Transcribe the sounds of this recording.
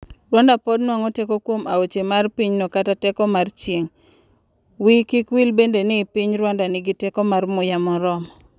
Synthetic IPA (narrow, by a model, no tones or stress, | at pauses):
rwandapɔdnwaŋɔtekokwomaot͡ʃemarpiɲnɔkatatɛkɔmart͡ʃjeŋ | wikikwilbendenɪpiɲɾwandanɪɡɪtɛkɔmarmʊjamɔɾɔm